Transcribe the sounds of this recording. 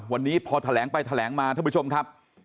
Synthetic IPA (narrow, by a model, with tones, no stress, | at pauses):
wa˧nːiː˦˥pʰɔː˧t̪ʰa˧lɛː˩˦ŋpa˧jt̪ʰa˧lɛː˩˦ŋmaː˧t̪ʰa˥˨pːt͡ɕʰo˧m˧kʰa˦˥p̚